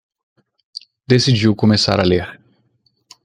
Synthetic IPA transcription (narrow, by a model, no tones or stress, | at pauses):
d̪esid͡ʒiwkomesa̰ɾɐleɾ